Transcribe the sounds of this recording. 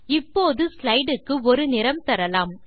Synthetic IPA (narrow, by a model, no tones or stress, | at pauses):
ɪpːoːðɯslɐɪɖɯkːɯɔɾɯnɪɾɐmt̪ɐɾɐlaːm